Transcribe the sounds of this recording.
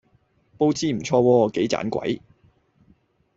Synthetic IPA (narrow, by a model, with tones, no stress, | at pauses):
po˧wt͡siː˥m̩˨˩t͡sʰɔː˧wɔː˧ke˨˥jt͡sa̰ː˨˥nkʷɐ̰˨˥j